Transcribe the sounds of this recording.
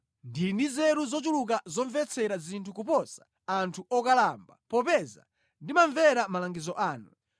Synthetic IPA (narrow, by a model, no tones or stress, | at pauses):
ndindizɛɾuzɔt͡ʃ̬uluk̬azɔɱvɛt͡sʰɛɾazintʰukupɔsḁ | antʰuɔkalambapɔpɛza̰ | ndimaɱvɛɾamalaŋɡizɔʔaːnu